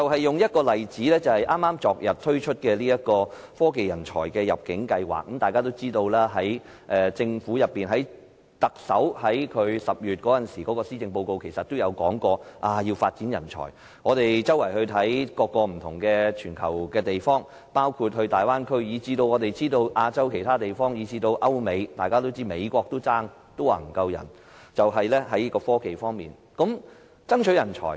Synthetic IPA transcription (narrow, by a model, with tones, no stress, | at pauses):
t͡sɐ˨wɦɐ˨jːʊ˨ŋjɐ˥t̚kɔː˧lɐ˨jt͡siː˨˥lɛː˥t͡sɐ˨whɐ˨jʔaː˥mːaː˥mt͡sɔː˨k̚jɐ˨t̚t̪ʰɵ˥ɥt͡ʃʰɵ˥t̚kɛː˧liː˥jɐ˥t̚kɔː˧ | fɔː˥ke˨jɐ˨˩nt͡ʃʰɔ̰ː˨˩jkɛː˧jɐ̰˨p̚kɪ˨˥ŋkɐ˧jwa̰ː˨˩k̚ːɐ˨˥mt̪aː˨jkaː˥t̪o˥wt͡siː˥t̪o˧wlɛː˥ɦɐ˨˥j | ʔɛː˧t͡sɪ˧ŋfuː˨˥jɐ˨pːiː˨nɦɐ˨˥j | t̪ɐ˨k̚sɐ˨˥whɐ˨˥jkʰɵ˨˧ɥsɐ˨p̚jyː˨t̚kɔː˨˥jɐ˨nsiː˨˩kɔ˨˧˥kɔː˧siː˥t͡sɪ˧ŋpo˧wko˧wkʰe˨˩jsɐ˨t̪ːo˥wjɐ˨˧wkɔː˨˥ŋkɔː˧ʔaː˧jiː˧wfaː˧t̚t͡siː˨˥njɐ˨˩nt͡ʃʰɔ̰ː˨˩j | ŋɔː˨˧t̪e˨jt͡sɐ˥wɐ˨˩jhɵ˧ɥt̪ʰɐ˨˥jkɔː˧kːɔː˧m̩˨˩t̪ʰʊ̰˨˩ŋkɛː˧t͡ʃʰyː˨˩nkʰɐ˨˩wkɛː˧t̪e˨jfɔː˥ŋ | paː˥wkʰuː˧t̚hɵ˧t̪aː˨jwaː˥nkʰɵ˥ɥjiː˨˧t͡siː˧t̪o˧wŋɔː˨˧t̪e˨jt͡siː˥t̪o˧wʔaː˧t͡sɐ˥wkʰe˨˩t̪ʰaː˥t̪e˨˩jfɔː˥ŋjiː˨˧t͡siː˧t̪o˧wʔɐ˥wme˨˧jt̪aː˨jkaː˥t̪o˥wt͡siː˥me˨˧jkʷɔː˧k̚t̪o˥t͡saː˥ŋ | t̪o˥wa̰ː˨˩m̩˨˩kɐ˧wjɐ̰˨˩n | t͡sɐ˨wɦɐ˨jlɛː˥ɦɐ˨˥ji˥kɔː˧fɔː˥ke˨jfɔː˥ŋmiː˨n | kɐ˨˥m | t͡sɐ˥ŋt͡ʃʰɵ˨˥jɐ˨˩nt͡ʃʰɔ̰ː˨˩j